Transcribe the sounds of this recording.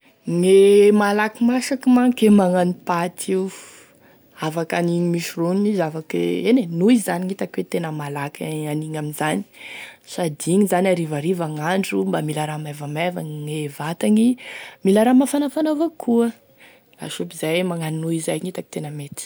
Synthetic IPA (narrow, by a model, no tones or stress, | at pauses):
ŋemalakimasakimaŋkemaŋanipat̪ʰi | avakaniɲimiʃironinizavakḛenenuizaniŋit̪akwet̪enəmalakʰaniŋaminzani̥sad̪iŋizanʲaɾivaɾivaŋaɳɖ͡ʐumbamilaɾamavamavaŋŋevat̪aŋimilaɾamafanafanavakʰuə | la̰ʃupizajmaŋaninuizajŋit̪aki̥t̪enəmet̪i̥